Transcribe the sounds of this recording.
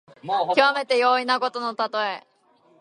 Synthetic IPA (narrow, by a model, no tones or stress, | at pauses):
kiβame̞t̪e̞jo̞ːinako̞t̪ono̞t̪at̪o̞e